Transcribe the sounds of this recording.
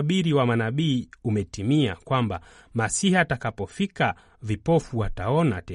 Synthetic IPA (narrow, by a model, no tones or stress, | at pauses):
ɓiɾiwamanaɓiːumɛtimia̰kwamba̰ | masihatakapɔfika | vipɔfuataɔna̰tɛ